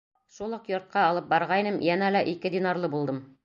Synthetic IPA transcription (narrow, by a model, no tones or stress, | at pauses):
ʃulˠɤqjŏɾt̪̚qɑːlˠɤp̚bɑɾʁɑinɘmjænælæʔikɘd̪ʲinɑrlˠɤbulˠd̪ɤm